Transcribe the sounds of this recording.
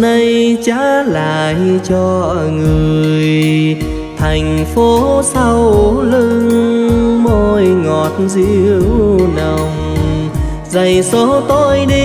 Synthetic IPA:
na˧jt͡ɕa̰ː˧˥laː˨˩jt͡ɕɔ˧ŋɨ˨˩əəəəj | t̪ʰa˨˩jŋ̟fo˨˦sa˧wlɨ˧ŋ | mo˧jŋɔ˨˩t̚zi˧wna˨˩ŋ͡m | zə˨˩jso˨˦t̪o˧jɗi˧

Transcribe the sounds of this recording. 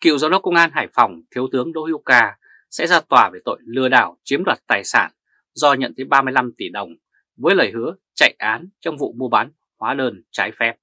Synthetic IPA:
kḭ˧˨wza˨˦wɗɔ˨˦kə˧wŋ͡mʔaː˧nɦaː˧˩jfɔ˨˩wŋ͡mt̪ʰi˨˦əwt̪ɨ˨˦əŋɗo̰˧˥ʔi˧wkaː˧ | sɛ̰˧˥zaː˧t̪waː˧˩ve˧˩t̪o̰˧˨jlɨ˧əɗaː˧˩wt͡ɕi˨˦əɗwaː˨˩t̚t̪aː˨˩jsa̰ː˧˩n | zɔ˧ɲə̰˧˨nt̪ʰə˨˦jɓaː˧mɨ˧əjla˧mt̪i˧˩ɗə˨˩wŋ͡m | və˨˦əjləː˨˩jhɨ˨˦ə | t͡ɕa̰˧˨jʔʔaː˨˦nt͡ɕɔ˧wŋ͡mvṵ˧˨mu˧əɓaː˨˦n | hwaː˨˦ɗəː˧nt͡ɕaː˨˦jfɛ˦˥p̚

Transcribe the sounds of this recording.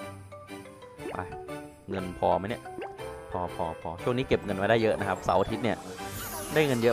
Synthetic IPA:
ʔa̰˧˩ | ŋɤ˧npʰɔː˧ma˦˥jni˥˩pʰɔː˧pʰɔː˧pʰɔː˧t͡ɕʰu˥˩əŋni˦˥ke˨˩p̚ŋɤ˧nma˧daː˥˩jɤ˦˥ʔna˦˥kʰa˦˥p̚sa˩˦wa˧t̪ʰi˦˥t̪̚ni˥˩ɐdaː˥˩jŋɤ˧njɤ˦˥

